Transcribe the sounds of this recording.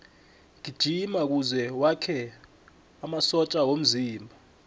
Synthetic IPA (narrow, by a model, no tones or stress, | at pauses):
ŋid̥ʒ̥ʱimak̬uzɛwakʰɛ | amasɔt͡ʃʼawom̩ziːmbʱa